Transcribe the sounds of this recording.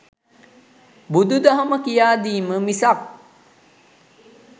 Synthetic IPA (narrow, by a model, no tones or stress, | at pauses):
bud̪ud̪aɦaməkijaːd̪iːməmisak̚